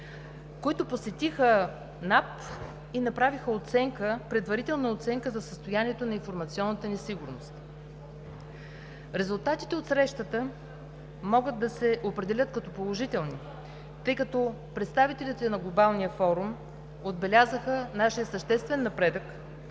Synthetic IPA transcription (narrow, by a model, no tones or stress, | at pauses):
koit̪ʊposɛt̪ixə | nap | inɐpɾavixəot̪sɛŋkəpɾɛd̪vɐɾit̪ɛlˠnəot̪sɛŋkəzɐsəst̪ojaniɛt̪onɐinfoɾmɐt̪siɔnːət̪ənɛsiɡʊɾnost̪ | ɾɛzulˠt̪at̪i̥t̪ɛot̪sɾɛʃt̪ət̪ə | mɔɡəd̪d̪ːɐsɛʔopɾɛd̪ɛlʲɤt̪kɐt̪ɔpolˠoʒit̪ɛlˠni | t̪ɤjkɐt̪ɔ | pɾɛt̪st̪avit̪ɛlit̪ɛnɐɡlˠobalˠnijəfɔɾum | od̪̚bɛlʲazəxənaʃijəsəʃt̪ɛst̪vɛnːɐpɾɛd̪ək